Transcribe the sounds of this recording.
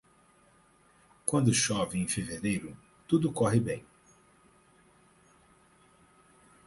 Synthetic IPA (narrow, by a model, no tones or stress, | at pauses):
kwɐ̃nd̪ʊʃɔvɪẽfeveɾejɾʊ | t̪ud̪ʊkɔɦɪbẽj̃